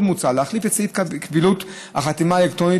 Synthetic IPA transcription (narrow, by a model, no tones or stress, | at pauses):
mut͡saleaχlifet͡sitkvilut̪ | a̰χat̪imaelekt̪ʁoni